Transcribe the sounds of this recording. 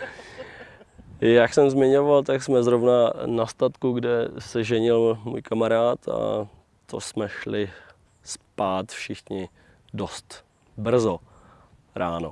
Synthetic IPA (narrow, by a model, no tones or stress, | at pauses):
jaksɛmzmɪɲo̞valt̪aksmɛzɾovnanast̪at̪kuɡdɛsɛʒɛɲɪlmṵːjkamaɾaːt̪ʰa̰ | t̪ʰo̞̰smɛʃlɪ | spaːt̪fʃɪxɲɪ | do̞st̪ | br̩zo | ɾaːno̞̰